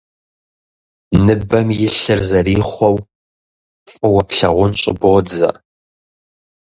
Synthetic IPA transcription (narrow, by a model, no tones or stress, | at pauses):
nɨbɐmjɪɬɐrzɐriːχʷɔw | fʼʊwɐpɬɐʁʷʊnɕʼɪ̰boːd͡zɐ̰